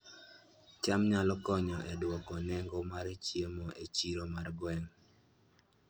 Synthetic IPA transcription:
t͡ʃamɲalɔkɔɲɔʔɛdwɔkɔnɛŋɡɔmaɾet͡ʃjemɔʔet͡ʃiɾomarɡwɛŋ

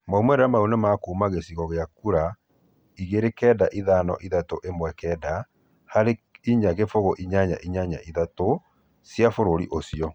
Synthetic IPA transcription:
maumɛɾeamaunemakomaɣesiɣɔɣeakuɾa | iɣeɾekɛːdaʔiðanɔ̰ʔiðatoʔemwɛkɛːda | haɾeiɲaɣefoɣoʔiɲaɲa̰ʔiɲaɲa̰ʔiðato | sjafoɾoɾḭʔosiɔ

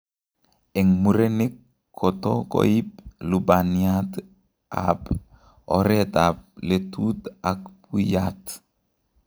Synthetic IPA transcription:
ɛŋmuɾenikʰː | ɔtɔko̰ip̚lubaniat | a̰p | ɔ̰ɾɛtap̚letutakpujat

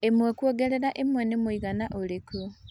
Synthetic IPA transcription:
emwekwoɡeɾeɾaʔemwenemwoiɣanaʔoliku

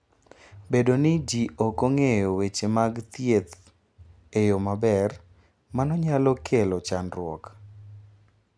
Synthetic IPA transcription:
bedonɪd͡ʒiokoŋejowet͡ʃemaɡt̪jet̪ | ejomabɛr | manɔɲalɔkʰelɔt͡ʃanɾwɔ̰k

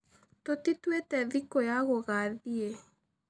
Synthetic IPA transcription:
totitwetɛðikojaɣoɣaðie

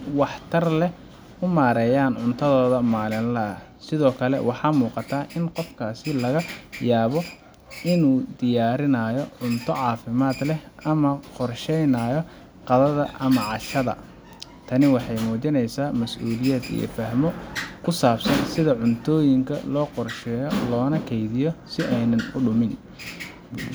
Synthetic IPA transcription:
wɑħt̪ʰɐrlɛ | ʊmaːɾɛːjaːnʕʊnt̪ʰɐðɔːðɐmaːlɪnlɐɐ | sɪðɔːkʰɐlɛ̰wɑħɑːmuːqɑt̪ʰaːʔɪnqɔfkʰaːsɪlɐɣɐjaːβɔ | ʔɪnuːd̪ɪjaːɾɪnaːjɔʕʊnt̪ʰɔʕɑːfɪmaːd̪lɛɐmɐqɔrʃɛjnaːjɔ | qɑðɐðɐʔɐmɐʕɑʃɐðɐ̰ | t̪ʰɐnɪwɑħɑjmɔːt͡ʃɪnɛjsaːmɐsʔṵːlɪjɛːd̪ḭjɔ̰fɐɦmɔkʰʊsaːbsɐnsɪðɐʕʊnt̪ʰɔːjɪŋkʰɐ̰lɔːqɔrʃɛːjɔlɔːnɐkʰɛjðɪjɔsɪʔɛjnɐnʊɖʊmɪn

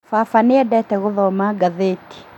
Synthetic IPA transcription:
fafanɪɛdɛtɛɣʊðɔmaɡaðeti̥

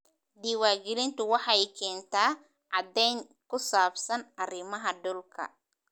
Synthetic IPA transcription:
ɖ̪iːwaːɡɪlɪnt̪ʰʊwɑħɑɛjkʰɛːnt̪ʰaː | ʕɑd̪ɛjŋ | kʰʊsaːbsɐnʔɐrɪmɐɦɐɖʊlkʰɐ̰

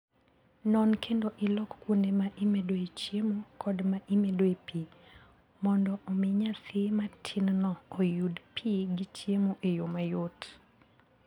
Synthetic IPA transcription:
nɔnkʰendoʔɪlɔkkwonemaʔimedoet͡ʃjemokʰɔdmaʔimedoepʰi | mɔndɔʔɔmɪɲasɪmatʰinnɔɔjudpʰiɡit͡ʃjemoʔejomajot

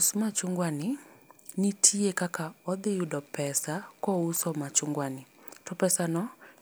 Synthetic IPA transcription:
smat͡ʃʊŋɡwanɪnɪtʰiekakaɔd̪ɪjʊdɔpɛsakɔusɔmat͡ʃʊŋɡwanɪtɔpɛsanɔ

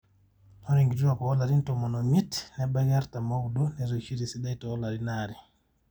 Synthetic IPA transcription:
nɔɾiŋɡituɾakɔɔlaɾintɔmɔnɔmitnɛbajaɾtamawdunɛzɔt͡ʃiɾisiɗajtɔɔlaɾinaːɾi

